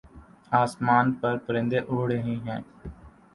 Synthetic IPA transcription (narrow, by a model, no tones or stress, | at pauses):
aːsmaːnpəɾpəɾɪ̃nd̪eʔoːɽəɦĩɦɛ̃ː